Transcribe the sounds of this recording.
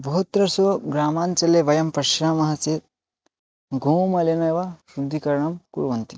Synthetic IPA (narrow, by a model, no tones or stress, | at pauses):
bʱɐɦut̪ɾɐsuɡɾaːmaːnt͡ʃɐlːeʋɐjɐmpɐʃɾaːmɐɦat͡ʃeːɾ | ɡʱumɐlenɐjʋɐʃɾud̪ʱːikɐɾɐɳɐmkṵɽʋɐnt̪i